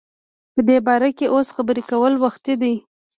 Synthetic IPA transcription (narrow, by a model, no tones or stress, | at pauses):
pəd̪ebɑɾakeʔosxabəɾekawəlwaxt̪id̪aj